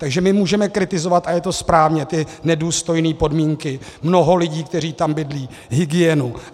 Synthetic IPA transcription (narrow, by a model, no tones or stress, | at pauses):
t̪aɡʒɛmɪmuːʒɛmɛkɾɪt̪ɪzo̞vat̪ʔajɛt̪o̞spɾaːvɲɛt̪ɪnɛduːst̪o̞jniːpo̞dmiːŋkɪmno̞ɦo̞lɪɟiːk̚t̪ɛr̝iːt̪ambɪdliː | ɦɪɡɪjɛnu